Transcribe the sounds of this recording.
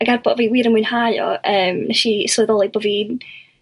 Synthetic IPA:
aɡarbɔviwiːɾəmwuɨnhajɔ̰ʔəːmnɛʃislˠɨðɔlˠiboːvin

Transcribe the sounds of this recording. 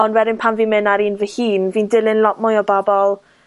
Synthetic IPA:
ɔnwɛdɪnpʰamviːmɪnaɾiːnvəhiːnviːndɪlˠɪnlˠɔʔ̚mʊjɔbabɔlˠ

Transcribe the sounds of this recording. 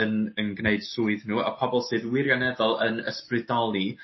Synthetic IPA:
ənənɡneɨd̥suɨðnuːa̰pʰɔbɔlˠsɨːðwɪɾjanɛðɔlˠənə̰sprɪdɔlˠi

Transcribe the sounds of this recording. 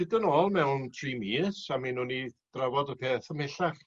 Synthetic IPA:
sɪdənɔːlˠmɛwntʰrimisaminuːnid̥ravɔdəpʰeːθəmɪɬaχ

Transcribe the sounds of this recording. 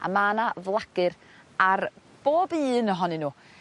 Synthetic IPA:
a̰maːnavlˠaɡ̥ɨɾ | ar | b̥oːbɨːnəɦɔnɪnuː

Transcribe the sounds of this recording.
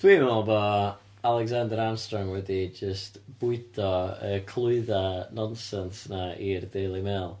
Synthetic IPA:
d̥wiːmɔlˠbɔ | alˠɛɡzandəɾamstrɔŋwɛdid͡ʒəstb̥ʊɨdʰɔəːkʰlˠʊɨðanɔnsɛnsnairdejlˠimɛːlˠ

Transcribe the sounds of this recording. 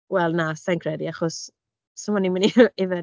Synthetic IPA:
wɛlˠnasankʰrɛdiaχɔs | səmɔniməniɪvə

